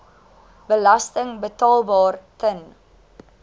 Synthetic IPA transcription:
bəlɐstəŋbətɑːlˠbɑːrtən

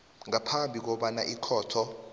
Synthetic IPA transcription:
ŋapʰambʱik̬ɔɓanaʔikʰɔːtʰɔ

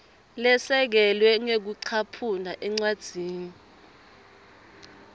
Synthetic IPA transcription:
lɛsɛk̬ɛlwɛŋek̬uǀʰapʰunaʔɛŋ͡ǀwad̥z̥ʱiːni

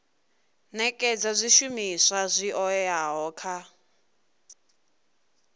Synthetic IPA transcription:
nɛkʼɛd͡zazʷiʃumisʷazʷiʔɔɛaɦɔːkʰa

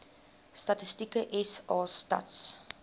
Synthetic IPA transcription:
stɐtəstikəʔɛsɑːstɐ̰ts

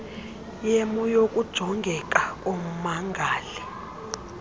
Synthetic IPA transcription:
jemujokʼud̥ʒ̥ʱɔŋɡʱɛkʼakʼom̩maŋɡʱaːli

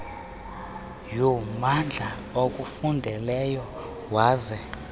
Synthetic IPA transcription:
jɔmand͡ɮʱa | okʼufundʱɛlɛjɔ | waːzɛ

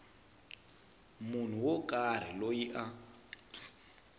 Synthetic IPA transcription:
mun̤uwokʼar̤ilojiʔa

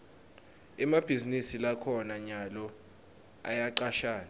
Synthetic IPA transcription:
ɛmab̥ʱizinisilakʰɔnaɲalɔ | a̰jaǀaʃaːni

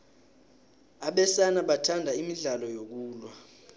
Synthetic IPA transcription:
aɓɛsanaɓatʰandʱaimiɮalɔjok̬uːlwa

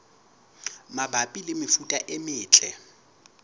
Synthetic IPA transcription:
mabʱapʼilɪmɪfutʼaʔɪmɪːt͡ɬʼɛ

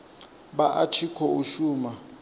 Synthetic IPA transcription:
ɓaʔatʰikʰɔuʃuːma

